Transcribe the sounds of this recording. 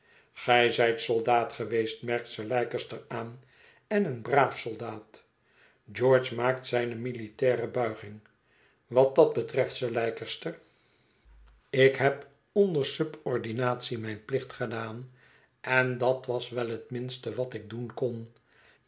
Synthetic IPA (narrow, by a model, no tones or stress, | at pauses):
χɛjzɛjtsolˠdaːtχəʋejstmɛɹk̚tsəlɛjkəstəɹaːn | ɛnənbraːfsolˠdaːt | d͡ʒɔːɹt͡ʃmaːk̚tsɛjnəmilitɛːrəbœɥχɪŋ | ʋɑt̚dɑd̚bətrɛftsəɹlɛjkəstər | ɪkɦɛp | ondəɹsɵbɔɹdinaːtsimɛjnplɪχtχədaːn | ʔɛndɑtʋɑsʋɛlˠɦətmɪnstəʋɑtɪɡ̚dunkon